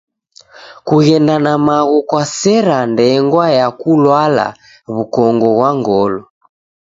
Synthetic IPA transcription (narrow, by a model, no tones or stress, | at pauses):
kuɣɛndanamaɣukwasɛɾandɛŋɡwajakulwala̰ | βukɔŋɡɔɣwaŋɡɔlɔ